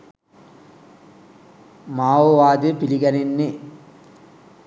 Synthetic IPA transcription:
maːʋoʋaːd̪ɯpiliɡɐnenːe

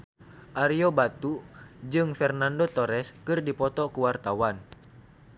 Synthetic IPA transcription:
ʔaɾiobat̪ud͡ʒɨŋfɛrnandot̪ɔɾɛskɨrdipɔt̪ɔkuwart̪awan

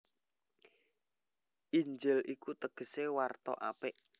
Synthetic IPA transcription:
ʔiɲd͡ʒɪlʔikut̪əɡ̥ə̤sewart̪ɔ̰ʔa̰pɪʔ

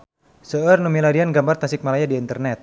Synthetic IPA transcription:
səərnumilaɾianɡambart̪asɪk̚malajadiːnt̪ərnɛt̪̚

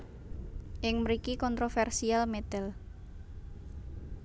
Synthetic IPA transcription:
ʔɪŋməɾikikɔnt̪ɾofɛrsialmet̪ɛl

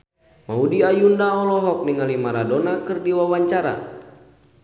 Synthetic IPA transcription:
maudiajundaɔlɔɦɔk̚niŋalimaɾadɔnakɨrdiwawaɲt͡ʃaɾa̰

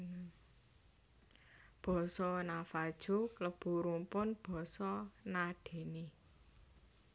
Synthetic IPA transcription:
b̥ɔ̤sɔnafad̥ʒ̥o̤kləb̥ṳɾumpʊnb̥ɔ̤sɔnaɖ̥e̤ne

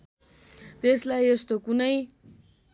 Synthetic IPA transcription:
t̪eslajʌst̪okunʌj

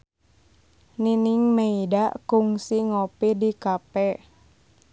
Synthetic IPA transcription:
niniŋmeidaʔkuŋsiŋɔpidikapɛ

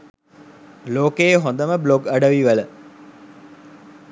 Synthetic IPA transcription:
loːkejɦõnd̪əməbloɡəɖəʋiʋələ

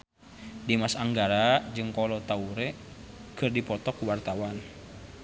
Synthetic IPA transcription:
dimasaŋɡaɾad͡ʒɨŋkɔlɔt̪auɾɛ | kɨrdipɔt̪ɔkuwart̪awan

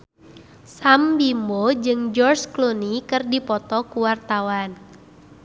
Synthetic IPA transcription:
sambimbod͡ʒɨŋd͡ʒɔrsklonikɨrdipɔt̪ɔkuwart̪awan

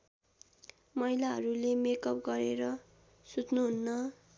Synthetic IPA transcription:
mʌilaɦʌɾulemekʌp̚ɡʌɾeɾʌ | sut͡snuɦunːʌ

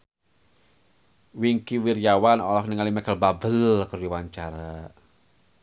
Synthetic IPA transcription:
wiŋkiwirjawanɔlɔk̚niŋalimɛkəlbabəlkuɾiwaɲt͡ʃaɾa

